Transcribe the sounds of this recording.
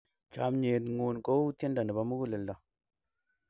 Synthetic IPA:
t͡ʃa˨˦mɲe˨tŋu˨nko˦ti˦nda˨nə˨ba˨˦mu˦ɡu˦lə˨lda˨

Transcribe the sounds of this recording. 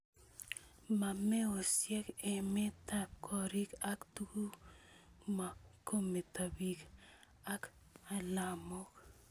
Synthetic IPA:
ma˨me˦o˨sjɛ˦ke˨me˦ta˦kʰɔ˦ɾi˦ka˦ktu˦ɡu˦ | ma˨kʰo˦me˨ta˨bi˨k | a˦k | a˦la˨mɔ˦k

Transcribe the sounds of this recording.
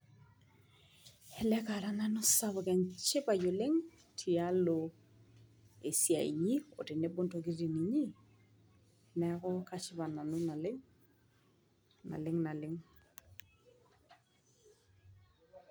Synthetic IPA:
hɛ˨lɛ˦ka˨ɾa˦na˦nʊ˦sa˦βɔ˨kɛ˨ɲt͡ʃɪ˦pa˨jo˨lɪ˦ŋ | tʰi˨a˦lo˨ | e˨sja˨ḭ˨ɲi˦o̰˨tɪ˨ne˦bʊ˦nto˨ki˦ti˨ni˨ɲi˦ | nɛ˨˦kɔ˦ka˦t͡ʃɪ˦ba˨na˨nʊ˦na˨lɪ˦ŋ | na̰˨lɪ˦ŋna˨lɪ˦ŋ

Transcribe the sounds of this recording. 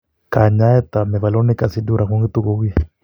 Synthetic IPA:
ka˨ɲa˦ɛ˦t̪a˨mɛ˨va˨lɔ˦ni˦ka˨si˦du˦ɾa˨ku˦ŋɡi˦t̪u˦ko˦ki˦

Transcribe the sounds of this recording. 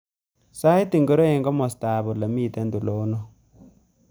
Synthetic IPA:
sa˦jti˦˨ŋɡo˦ɾo˦e˨ŋɡɔ˦mɔ˨sta˨bɔ˨la˨mi˦˨tɛ˦ndu˨lo˨˦nɔ˦

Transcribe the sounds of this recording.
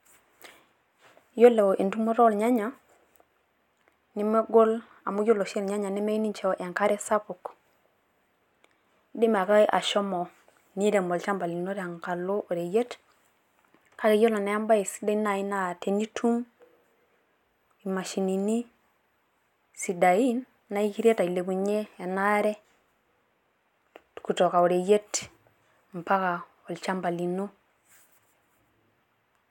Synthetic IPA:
jo˦le˨wo˨ʔi˨ntu˦mo˦ɾo˦lɲa˦ɲa˨ | ni˦me˦ɡo˦l | a˨mu˦jo˦lo˨ʃe˦lɲa˦ɲa˨ni˦me˦i˦ni˦ɲt͡ʃe˦o˨ʔe˨ŋka˦ɾe˦sa˦pu˨k | di˦ma˨ka˦ʔa̰˨ʃo˦mo˨ | ni˦de˨mbo˨lt͡ʃa˦mba˨li˨no˦ɾa˨ŋka˨lo˦ʔo˨ɾe˨je˦t | a˦ke˨jo˦lo˨na˨˦ja˦mba˦i˨si̥˦da˦i˦na˨i˦na˨te˨ni˦tʰu˦m | i˨ma˨ʃi˨ni˨ni˦ | si˨da˨ji˦nː | a˦i˦ki˦ɾe˦ta˨i˨le˨bu˨ɲe˦je˨na˦ɾe˦˨ | ku˨to˨ka˨o˨ɾe˨je˦t | m˨pa˦ka˨ | o˨lt͡ʃa˦mba˨li˨no˦

